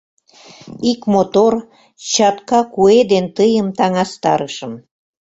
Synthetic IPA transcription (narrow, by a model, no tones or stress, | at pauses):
ikmot̪or | t͡ɕɑt̪kɑkued̪ent̪əjəmt̪ɑŋɑst̪ɑɾəʃəm